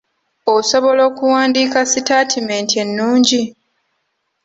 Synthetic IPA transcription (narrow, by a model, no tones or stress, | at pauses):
oso̞βo̞lo̞ːkuwaːndiːkasitaːtʰime̞ːntie̞nːuːɲɟi